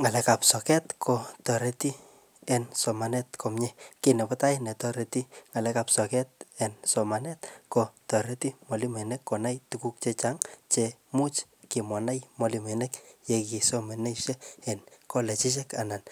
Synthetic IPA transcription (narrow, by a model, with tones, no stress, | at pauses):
ŋa˨lɛ˨˦ka˨psɔ˨kɛ˦tkʰɔ˨tɔ˨ɾe˦ti˦ | ɛnsɔ˨ma˨nɛ˦tkʰo˨mɲɛ˦kenɛ˨pɔta˦i˦nɛ˨tɔ˦ɾe˨ti˦ŋa˨lɛ˦ka˨psɔ˨kɛ˦t̚ɛ˨nsɔ˨ma˨nɛ˦tko˧tɔ˨ɾe˦ti˦mɔ˨li˦mɛ˨nɛkːɔ˨na˦jtuku˦k̚t͡ʃe˦t͡ʃaŋt͡ʃe | mu˦t͡ʃ | kɪ˨mwa˨na˦jmɔ˧li˨me˨nɛ˦kje˨ki˨so˦me˨ne˦ʃɛ˦ɛ˨nko˦lɛ˨t͡ʃɪ˦t͡ʃ̬ɛka˨na˨n